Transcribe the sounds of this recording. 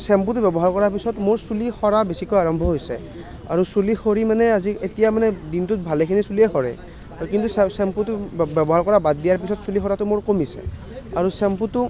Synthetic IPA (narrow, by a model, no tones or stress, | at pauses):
sɛmputbɛbɔɦaɹkɔɹaɹpisɔtmoɹsulixɔɹabesikojaɹɔmbʱɔɦojsɛ | a̰ɹusulixoɹimanɛazietijamanɛdintʊt̚bʱalekʰinisuliɛxɔɹɛ̰ | kintusɛsɛmputbɛbɔɦaɹkɔɹabad̚dijaɹpisɔtsulixɔɹatʊmoɹkomisɛ̰ | aɹusɛmputʊ